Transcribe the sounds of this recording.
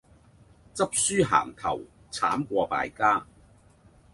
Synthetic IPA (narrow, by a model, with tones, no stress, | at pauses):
t͡sɐ˥p̚syː˥ɦa̰ː˨˩ŋt̪ʰɐ̰˨˩w | t͡sʰa̰ː˨˥mkʷɔː˧pa̰ː˧˨jkaː˥